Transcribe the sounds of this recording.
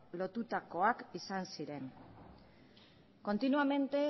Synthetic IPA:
lo̞t̪ut̪ako̞akisansiɾe̞ŋ | ko̞nt̪inuame̞nt̪e̞

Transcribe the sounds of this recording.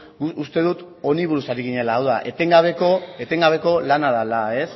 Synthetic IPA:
ust̪e̞ðut̪ | o̞niβ̞uɾusaɾiɣiɲe̞laːwðaʔe̞t̪eŋɡaβ̞eko̞e̞t̪e̞ŋɡaβ̞e̞ko̞lanaðalae̞s

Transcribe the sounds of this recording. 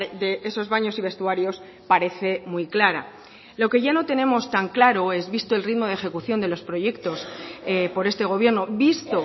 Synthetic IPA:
d̪e̞ʔeso̞zβaɲo̞siβe̞st̪uaɾjo̞s | paɾe̞θe̞mujklaɾa̰ | lo̞ke̞ʝano̞t̪e̞nẽ̞mo̞st̪aŋklaɾo̞e̞zβist̪oelrit̪mo̞ð̞e̞xe̞kuθjo̞nd̪e̞lo̞spɾo̞ʝe̞kt̪o̞spo̞ɾe̞st̪e̞ɣo̞βje̞ɾnobist̪o̞

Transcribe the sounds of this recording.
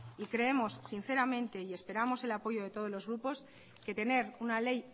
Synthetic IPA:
ikɾe̞emo̞sːin̟θe̞ɾamẽ̞nt̪e̞ie̞spe̞ɾamo̞se̞lapo̞ʝo̞ð̞e̞t̪o̞ð̞o̞zlo̞zɣɾupo̞s | ke̞t̪e̞ne̞ɾunale̞j

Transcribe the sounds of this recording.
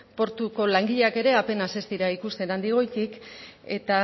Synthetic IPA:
po̞ɾt̪uko̞laŋɡiʎake̞ɾe̞ape̞nase̞st̪iɾaikust̪e̞nand̪iɣ̞o̞jt̪ike̞̰t̪a

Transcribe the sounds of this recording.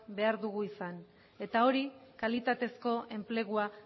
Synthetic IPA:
be̞aɾðuɣuisan | e̞t̪ao̞ɾikalit̪at̪e̞sko̞e̞mple̞ɣua

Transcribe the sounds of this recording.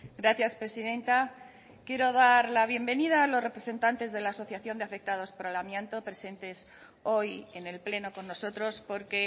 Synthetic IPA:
ɡɾaθjaspɾe̞siðe̞nt̪a | kje̞ɾo̞ðaɾlaβ̞je̞mbe̞niðaːlo̞sre̞pɾe̞se̞nt̪ant̪e̞zðe̞laːso̞θjaθjo̞nd̪eafe̞k̚t̪að̞o̞spoɾelamjẽnt̪o̞pɾe̞se̞nt̪e̞s | o̞je̞ne̞lple̞no̞ko̞nːo̞so̞t̪ɾospo̞ɾke̞

